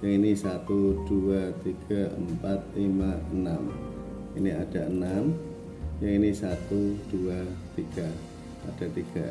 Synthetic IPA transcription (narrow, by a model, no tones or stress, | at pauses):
jaŋinisat̪ud̥uat̪iɡ̥aə̰mpat̪̚limaənam | ḭniad̥aənam | jaŋinisat̪ud̥uat̪iɡ̥a | a̰d̥at̪iɡ̥a